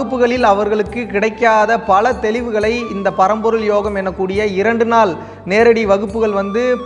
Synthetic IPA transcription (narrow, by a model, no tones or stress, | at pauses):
ɯpːɯɣɐɭɪlɐʋɐɾɣɐɭɯkːɯkɪɽɐɪkːaːðɐpɐlɐt̪ɛlɪʋɯɣɐɭɐɪɪnd̪ɐpɐɾɐmbɔɾɯljoːɣɐmɛnːɐkːuːɽɪjɐɪɾɐɳɖɯnaːl | neːɾɐɽiʋɐɣɯpːɯɣɐɭʋɐnd̪ɯ